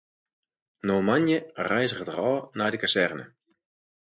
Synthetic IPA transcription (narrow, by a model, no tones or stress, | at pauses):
noːmanjərɛjzəχətərɔːnajdəkasɛrnə̰